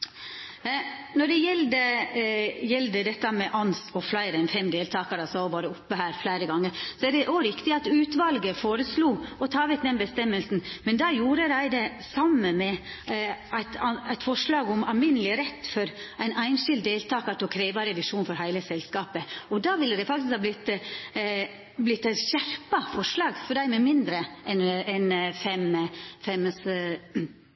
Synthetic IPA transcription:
nɔɖɛjɛld̪ə | jɛld̪əd̪ɛt̪ːɑmɛʔɑnsɔflæɪɾæɪnfɛmd̪eːlt̪ʰɑːkəɾɑsɔʋɑːɾəʊpːəhæːɾflæɪɾəɡɑŋːəɾsɔæɖɛʔoɾɪkt̪ɪɑt̪ʉːt̪ʋɑlɡəfoːɾəsluːɔt̪ʰɑːʋɛk̪̚d̪ɛnbəst̪ɛmːəlsnmɛnd̪ɑːjuːɾəɾæɪd̪ɛ | sɑmːənmɛ | æɪt̪ɑæɪt̪fɔʂlɑːɡʊmɑlmɪnəlɪɾɛt̪ːfɔɾʔæɪnæɪnʃɪld̪d̪eːlt̪ʰɑːkɑʈ̪ɔlkʰɾeːʋɑɾɛʋɪʂuːnfɔɾɦæɪləsɛlskɑːpəɔd̪ɑːʋɪlːəd̪æɪfɑk̚t̪ɪskhɑblɪt̪ | blɪt̪ːɕæɾpɑfɔʂlɑːɡfɔɖæɪmɛmɪnd̪ɾəɛnɛnfɛmfɛms

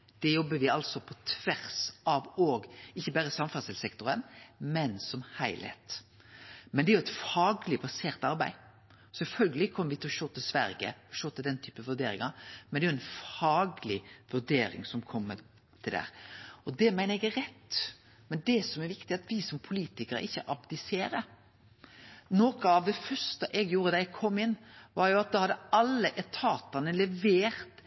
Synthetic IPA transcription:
d̪̥ɛjɔbːəʋɪɑlsɔpʰɔt̪ʰʋæɾsɑʋoːɡɪçːəbæːɾəsɑmfɑsɛlsɛkt̪ʊɾənmɛnsɔmhæɪlhḛːt̪ | mɛnd̪ɛæɾjʊɛt̪fɑːɡlɪbɑseːɾt̪ɑɾbæ̰ɪ | sɛlfœlɡəlɪkʰɔmːəɾʋɪt̪ʰɪlɔʃoːt̪ːəsʋæɾɡə̰ɔʃoːt̪ʰɪld̪ɛnt̪ʰyːpəəʋʉɾd̪eːɾɪŋɑɾmɛnɛæʊɛnfɑːɡlɪʋʉɾd̪eːɾɪ̰ŋsɔmkʰɔmːə | t̪ʰɪld̪æ̰ːɾɔd̪ɛmæɪnəɾɛɡɛɾɛt̪ː | mɛnd̪ɛsɔmɛɾʋɪkt̪ɪɑt̪ʋɪsɔmpʰʊliːt̪ɪkəɾə̰ɪçːəʔɑbd̪ɪseːɾə | noːkəɑʋd̪ɛfœɾst̪əʔɛɡjuːɾəd̪ɑɛɡkʰɔmːɪnːʋɑɾjʊɑt̪̚d̪ɑhɑd̪ːəɑlːəʔɛt̪ʰɑːt̪ɑnəlɛʋeːɾt̪

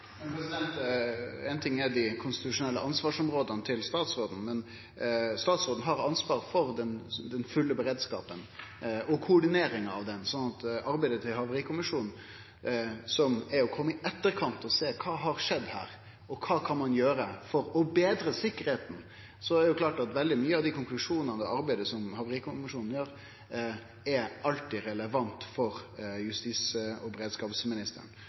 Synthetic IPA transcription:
mɛnpɛsɪd̪ɛnt̪ɛɪnt̪ʰɪŋːɛd̪ɪkʰʊnst̪ɪt̪ʉʂʊnɛlːəʔɑnsʋɑːʂɔmɾoːd̪ənət̪ʰɪlst̪ɑːt̪sɾoːd̪n̩mɛn | st̪ɑːt̪sɾoːd̪n̩ɦɑɾɑnsʋɑːɾfɔɾd̪ɛnd̪ɛnfʉlːəbəɾeːd̪skɑ̰ːpənɔkʰʊʊɖɪneːɾɪŋɑ̰ʋd̪ɛnsɔnːɑt̪ɑɾbæɪd̪ət̪ʰɪlhɑʋəɾiːkʰʊmɪʂuːnn̩ | sɔmæɾɔkʰɔmːəɪʔɛt̪ːəɾkʰɑnt̪ɔseːkʰɑːɦɑɾʂɛd̪ːhæ̰ːɾ | ɔkʰɑːkʰɑnmɑnjøːɾəfɔɾɔbeːd̪ɾəsɪkːəɾheːt̪n̩ | sɔæɾɛjʊkʰlɑːʈɑt̪ʋɛld̪ɪmyːəɑʋd̪ɪkʰʊŋklʉʂuːnənəd̪ɛʔɑɾbæɪd̪əsɔmhɑʋəɾiːkʰʊmɪʂuːnn̩jøːɾ | ɛɾɑlt̪ɪɾɛləʋɑnt̪fɔɾjʉst̪iːsəɔbəɾeːd̪skɑːpsmɪnɪst̪ə̰ɳ

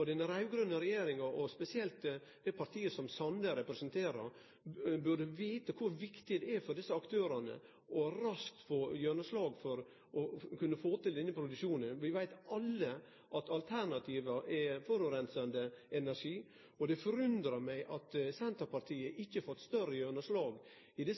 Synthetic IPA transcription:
ɔd̪ɛnəɾæɪʋɡɾœnːəɾɛjeːɾɪŋɑɾʔɔspɛsɪɛlt̪ | d̪̥ɛpʰɑɾt̪ʰiːəsɔmsɑnləɾɛpɾɛsənt̪ʰeːɾɑ̰ɾ | bʉɖəʋiːt̪əkʰʊɾʋɪkt̪ɪd̪ɛæfɔɖɪsːəɑkt̪ʰøːɾɑnə̰ | ʔɔɾɑsk̚t̪foːjœnəslɑːɡfɔɾ | ɔkʉnːəfoːt̪ɪld̪ɛnːəpʰɾʊd̪ʉkʃuːnənʋɪʋæɪt̪ɑlːə | ʔɑt̪ɑlt̪ʰæɾɳɑt̪ʰiːʋəɾʔɛfɔɾʉʋɾɛnsɑnd̪əɛnæɾʂiː | ɔd̪ɛfɔɾʉnd̪ɾɑmæɪʔɑt̪sɛnt̪əpɑɾt̪ʰiːəʔɪçːəfɔt̪ːst̪œrəjøːnəslɑːɡ | ɪd̪ɪ

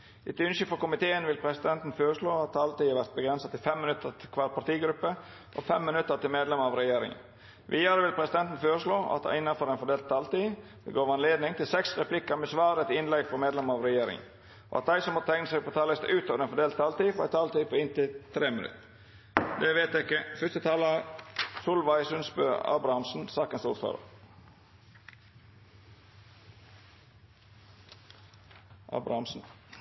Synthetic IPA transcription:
ɪt̪ʉnʃəfɔɾkʊmɪt̪ʰeːənʋɪlpʰɾɛsɪd̪ɛnt̪n̩føːɾəʂloːɑt̪̚d̪ɑlt̪iːɑɾʋæɾt̪̚bəɡɾɛnsɑt̪ɪlfɛmːɪnʉt̪ːət̪ʰɪkʰʋɑːɾpɑʈ̪iːɡɾʉpːə | ʔɔ̰fɛmːɪnʉt̪ːəɾt̪ɪlmeːd̪lɛməɑʋɾɛjeːɾɪ̰ŋə̰n | ʋʔiːd̪ɑɾəʋɪlpʰɾɛsɪd̪ɛnt̪n̩føːɾəʂloːʔɑ̰t̪̚d̪ɑ̰ɪnːɑnfɔɾɛɪnfɔɖ̪eːlt̪̚t̪ʰːɑːlt̪i̥ː | ɛ̰ɡoːʋɑnleːd̪nɪŋt̪ʰɪlsɛksɾɛpʰlɪkːəɾmɛsʋɑːɾəɛt̪ɪnlɛɡfɔɾmeːd̪lɛməɾɑʋɾɛjeːɾɪ̰ŋə̰n | o̰ːɑ̰t̪̚d̪æɪsɔmɔt̪t̪ʰɛŋnəsæɪɡpʰoːt̪ʰɑːləst̪ʔʉːt̪oːʋəɾenfɔd̪eːlt̪ɑːlt̪iːfɔɾæ̰ɪt̪ʰɑːlt̪iːpʰoːɪnt̪ɪlt̪ʰɾeːmɪnʉ̰t̪ | d̪eʋeːt̪ɛkəfœst̪ət̪ʰɑːləsuːlʋæɪsʉnsbø̰ːɑ̰ːbɾɑhɑmsn̩sɑːkənsʊ̰fɑ̰ːɾə̰ | ʔɑ̰ːbɾɑhɑmsn̩

